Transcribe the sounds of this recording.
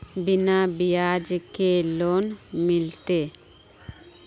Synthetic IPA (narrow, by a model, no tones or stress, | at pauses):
binabijad͡ʒkelonmilt̪e